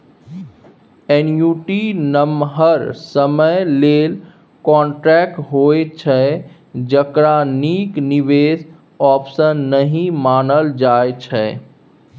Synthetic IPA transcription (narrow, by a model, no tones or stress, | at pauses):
enjuːʈinəmɦəɾsəməjleːl | kɔ̃ːɳʈɾɛk̚ʈɦoet͡ʃʰɛ | d͡ʒəkɾaniːkniʋeːs | ɔːpsənːəɦĩmaːnəld͡ʒaet͡ʃʰɛ